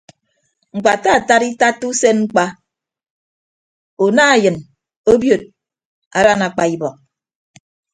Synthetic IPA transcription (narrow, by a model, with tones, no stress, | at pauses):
ŋ͡m̩˨k͡pa˨ta˦˨ta˦ɾi˦ta˦tu˦se˦nŋ͡m̩˦k͡pa˦ | o˨na˦˨jɨ˨n | o˦bjo˨t̚ | a̰˨ɾa˦na˨k͡pa˨i˦bɔ˨k̚